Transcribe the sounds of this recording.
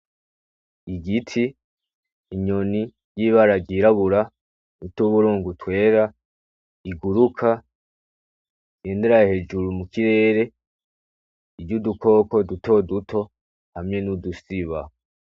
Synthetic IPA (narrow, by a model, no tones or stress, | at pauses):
iɡitʰiː | ɲo̞ni | jiβaɾaɡɟiɾaβuɾa | nutuβuɾuːŋɡutwe̞ːɾa | iɡuɾukʰa | iɡ̥e̞ːnde̞ɾajhe̞d͡ʒuɾumukiɾe̞ːɾe̞ | iɟuduko̞ko̞duto̞dutʰo̞ | hamŋe̞nudusiβa